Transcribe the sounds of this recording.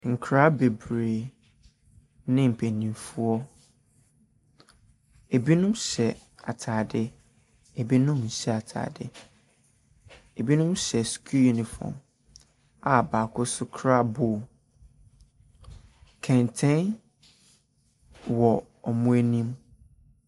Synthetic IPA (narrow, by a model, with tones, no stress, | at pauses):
ŋ̩˨kʰɾa˦be˨bɾeː˨ | nɪ̃˦m̩˨pʰæ˨nĩ˨mfu˦ɔ˦ | e˨bi˦nʊ̃˦mɕɛ˨ | a̰˨tʰaː˨dɪ˦ | e˨bi˦nʊ̃˦mn̩˨ɕɛ˨a˨tʰa̰ː˨dɪ˦ | e˨bi˦nʊ̃˦mɕɛ˨skʰu˦ju˦nĩ˨fɔ̰˨m | a˨baː˨kʰʊ˦sʊ˦kʰɾa˦bʊː˦˨ | kʰɛ̃˨ntʰɛ̃˦n | wɔ˨ | ɔ˨mʊ̃˦e˦nĩ˦m